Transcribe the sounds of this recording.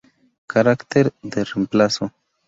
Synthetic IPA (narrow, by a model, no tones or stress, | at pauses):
kʰaɾakteɾde̞ɾimplaso̞